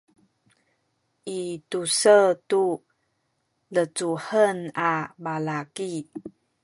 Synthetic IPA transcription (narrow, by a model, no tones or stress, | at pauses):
ʔitusətu | lət͡suħənabalaki